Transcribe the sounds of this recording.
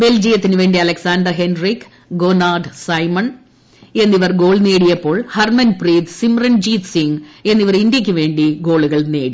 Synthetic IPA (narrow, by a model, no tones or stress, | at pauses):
be̞ld͡ʑijɐt̪ːinɨʋe̞ːɳɖiɐlɐksaːnd̪ɐrɦe̞nrik | ɡoːnaːɖɨsɐjmɐɳ | e̞nːiʋɐrɡo̞ːɭne̞ːɽijɐpːo̞ːɭhɐrmɐnpriːd̪simrɐnd͡ʑiːt̪siŋe̞nːiʋɐrind̪jɐkʲːɨʋe̞ːɳɖiɡo̞ːɭuɣɐɭneːɽi